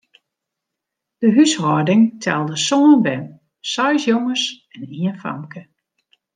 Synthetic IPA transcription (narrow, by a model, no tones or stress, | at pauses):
d̥əɦyshɔdɪŋtʰɛ̰lˠdəsoənbɛn | sɔjsjoŋəs | ɛniənfa̰mkʰə